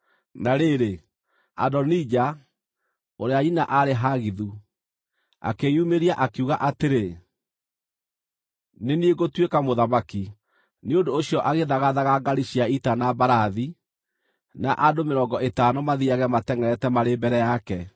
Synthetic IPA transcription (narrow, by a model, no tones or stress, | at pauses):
naɾeɾe | a̰dɔnid͡ʑa | oɾeainaʔaɾeɦaɣiðu | a̰kejumeɾiaʔakeuɣaʔateɾe | nenieɣotwekamoðamaki | neondoːɕiɔʔaɣeðaɣaðaɣaɡaɾiʃiaitanabaɾaði | naʔadomeɾɔːŋɡɔʔetaːnomaðiaɣɛmatɛŋɛɾɛtɛmaɾebɛɾɛjakɛ